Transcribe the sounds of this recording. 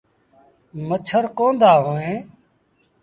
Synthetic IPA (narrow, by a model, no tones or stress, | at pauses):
mət͡ʃʰəɾkõːnd̪aːɦoːẽː